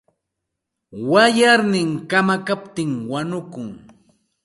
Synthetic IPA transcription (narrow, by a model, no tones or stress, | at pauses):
wajaɾnɪŋkamakapt̪ɪŋwanʊkʊŋ